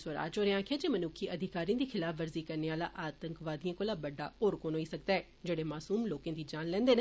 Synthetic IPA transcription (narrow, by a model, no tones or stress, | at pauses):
səɾa̰ːd͡ʒoːɾeãːkʰɪjaːd͡ʒeːmənʊːkʰːiːʔəd̪ʱɪkaːɾĩd̪iːkʰɪlaːfʰʋəɾziːkəɾneːaːla̰ːʔaːt̪əŋkʋaːd̪ijãːkoːlaːbəɖːa̰ːoːɾkoːnɦoiːsəkd̪aːɛː | d͡ʒeːɽeːmaːsuːmloːkãːd̪iːd͡ʒãːnlɛ̃ːnd̪eːn